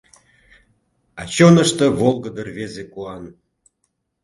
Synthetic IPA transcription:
ɑ̰t͡ɕonəʃt̪ə̆βolˠɡəd̪ərvezekuɑn

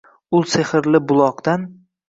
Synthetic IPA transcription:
ʊlˠseχɪɾlɪbʊlˠɒqd̪an

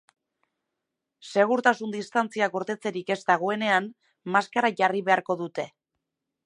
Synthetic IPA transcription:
se̞ɣ̞uɾt̪asund̪ist̪ant͡siaɡoɾt̪e̞t͡se̞ɾike̞zt̪aɣ̞oe̞ne̞an | maskaɾaʝariβe̞aɾko̞ðut̪e̞

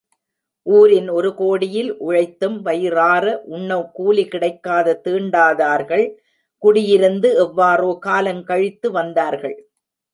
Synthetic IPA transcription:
ʔuːɾɪnɔɾɯkoːɽɪjɪlʔʊɻɐɪt̪ːɯmʋɐjraːɾɐʔʊɳːɐkuːlikɪɽɐɪkːaːðɐt̪ɯːɳɖaːðaːɾɣɐɭ | kʊɽɪjɪɾɯnd̪ɯɛʋːaːroːkaːlɐmkɐɻɪt̪ːɯʋɐnd̪aːɾɣɐɭ

